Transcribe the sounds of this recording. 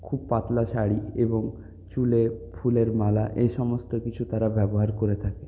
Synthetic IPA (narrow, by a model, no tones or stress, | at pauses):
kʰubpat̪laʃaɽieboŋ | t͡ɕulefʰuleɾmalaʔeʃɔmost̪okit͡ɕʰut̪aɾabɛboɦaɾkoɾet̪ʰake